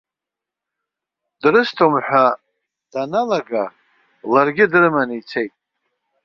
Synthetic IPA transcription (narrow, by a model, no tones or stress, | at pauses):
d̥rɨstʰomħʷa | d̥analaɡa | larɡʲɪdrɨmanɨit͡sʰe̞jtʼ